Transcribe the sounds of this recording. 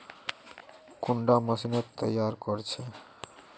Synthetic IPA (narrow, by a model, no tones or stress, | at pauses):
kuɳɖaməʃinot̪ːʌjaɾkoɾt͡ɕʰe